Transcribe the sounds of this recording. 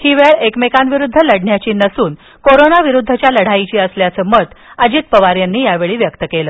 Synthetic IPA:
hiːʋeɭekmekanʋiɾud̪ʱːələɽɳjat͡ɕiːnəsuːn | koɾonaʋiɾud̪ʱːət͡ɕjaləɽ̤ait͡ɕiːəsljat͡səːmət̪əd͡ʑiːt̪̚pəʋaɾjanːiːjaʋeɭiːʋjəkt̪əkeləː

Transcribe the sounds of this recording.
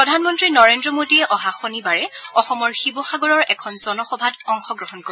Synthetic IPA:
pɹɔdʱanmɔntɹinɔɹendɹɔmodiɛʔɔɦaxonibaɹɛɔxɔmɔɹxibɔxaɡɔɹɔɹɛkʰɔnzɔnɔxɔbʱadɔŋxɔɡɹɔɦɔnko

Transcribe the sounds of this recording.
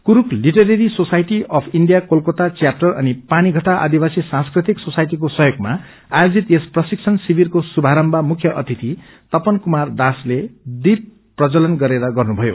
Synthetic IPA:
kuɾukliʈeɾeɾisosajʈiʌpʰiɳɖijakolkot̪at͡sjap̚ʈʌrʌnipaniɡʱʌʈaʔa̰d̪ibasisãnskrit̪iksosajʈik̬osʌɦjoɡma | ajod͡zit̪esprʌsik̚t͡sʰʌnsibirkosubʱaɾʌmbʱamukʰjʌʔʌt̪ʰit̪i | t̪ʌpʌnkumard̪asled̪ib̚ | prʌt͡sʌlʌnɡʌɾeɾʌɡʌrnubʱʌjo̰

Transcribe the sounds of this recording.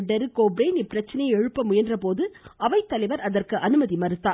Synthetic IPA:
ɖɐɾɯkoːbɾeːnɪpːɪɾɐt͡ʃːɐnɐjɛɻɯpːɐmʊjɐndrɐpoːðɯɐʋɐɪt̪ːɐlɐɪʋɐɾɐðɐrkɯʔɐnɯmɐðimɐɾɯt̪ːaː

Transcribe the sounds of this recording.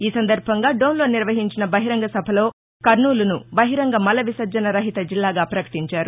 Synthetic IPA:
iːsɐnd̪ɐɾbʱɐŋɡaːɖoːnlo̞ːniɾʋɐɦiɲt͡ʃinɐbɐɦiɾɐŋɡɐsɐbʱɐlo̞ː | kɐɾnuːlɐnubɐɦiɾɐŋɡɐmɐlɐʋisɐɾd͡ʒɐnɐɾɐɦit̪ɐd͡ʒilːaːɡaːpɾɐkɐ̥ʈiɲt͡ʃaːɾu

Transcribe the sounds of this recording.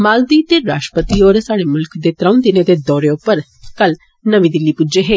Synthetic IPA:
maːld̪iːt̪eɾaːʃʈɾəpət̪ioːɾsaːɽemʊlkʰd̪eːt̪ɾə̃ʊ̃nd̪ɪned̪ed̪ɔːɾeʊpəɾ | kəl | nəʋid̪ɪlːipud͡ʒeɦeː

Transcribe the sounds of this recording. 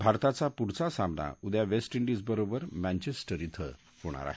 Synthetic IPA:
bʱaɾt̪at͡sapuɾt͡sasamna̰ud̪jaʋesʈiɳɖid͡zbəɾobəɾmænt͡ɕesʈəɾit̪ʰə̰ | huɽ̃a̰ɾa̰ɦe

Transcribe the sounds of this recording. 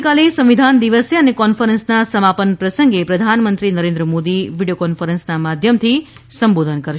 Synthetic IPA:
kalesə̃mʋid̪ʱand̪iʋəsəənekɔnfəɾənsnasəmapənpɾəsəŋɡepɾəd̪ʱanmənt̪ɾinəɾẽnd̪ɾəmod̪iʋiɖijokɔnfəɾənsnamad̪ʱjəmt̪ʰi | səmbod̪ʱənkəɾʃ

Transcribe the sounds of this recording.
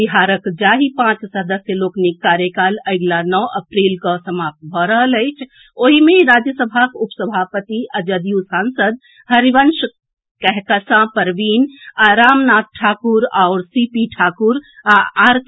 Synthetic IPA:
biɦaːɾəkd͡ʒaːɦipãt͡ʃsəd̪əsjəloːknikːaɾjəkaːləɪɡlanɔʔəpɾilkəsəmap̚t̪̚bʱɔɾəɦələɪt͡ʃʰ | oɦimẽɾad͡ʒjəsəbʱakupsəbʱapət̪iʔəd͡ʒəd̪ijũsaːnsəd̪̚ | həɾiʋənʃ | kɛɦkəsãpəɾʋiːnaɾaːmnaːt̪̚ʈʰaːkuɾaʊɾsipiʈʰaːkuɾaaɾ

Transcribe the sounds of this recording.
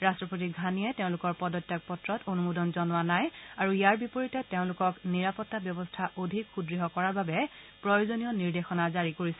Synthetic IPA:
ɹastɹɔpot̬iɡʱanijɛteʊ̃lʊkɔɹpɔdɔtːjak̚pɔtɹɔtonumudɔnzɔnwanajaɹuijaɹbipoɹitɛteʊ̃lʊkɔkniɹapɔtːabjɔbɔstʰaʔodʱikxudɹiɦɔkɔɹaɹbabɛ | pɹɔjozonijɔniɹdexɔnazaɹikoɹisɛ

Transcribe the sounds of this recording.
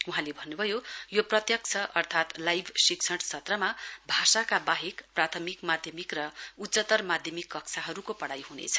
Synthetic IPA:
uɦãlebʱʌnːubʱʌjojoprʌt̪jʌk̚t͡sʰʌʔʌrt̪ʰat̪lajbʱsikt͡sʰʌɽsʰʌt̪rʌmabʱasakabaɦekprat̪ʰʌmikmad̪ʱjʌmikrʌut͡sːʌt̪ʌrmad̪ʱjʌmikːʌkt͡sʰaɦʌɾukopʌɽajɦunḛt͡sʰʌ̥

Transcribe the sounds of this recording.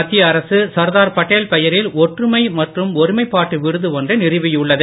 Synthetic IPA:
ɐt̪ːɪjɐːɾɐsɯsɐɾðaːɾpɐʈːeːlpɛjɐɾɪlɔʈrɯmɐɪmɐʈrɯmɔɾɯmɐɪpːaːʈːɯʋɪɾɯðɯʋɔndrɐnɪrɯʋɪjʊɭːɐðɯ

